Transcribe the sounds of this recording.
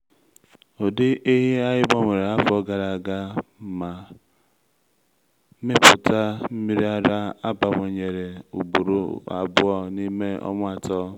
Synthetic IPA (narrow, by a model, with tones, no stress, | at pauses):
o˨dɪ˦ʔe˦ɦi˦a˦ɣɪ˦bɔ˦ŋʷe˨ɾe˨a˦fɔ˦ɡa˨ɾa˨ɡa˦˨ma˨˦ | mɪ˦pʊ˨ta˦m̩˦mi˦ɾi˦a˦ɾa˦a˦ba˨ŋʷe˨ɲe˨ɾe˨u˨bu˨ɾu˦a̰˨bʊ˦ɔ˦ni˦me˦ɔ̰˦mʷ˦a˨tɔ˦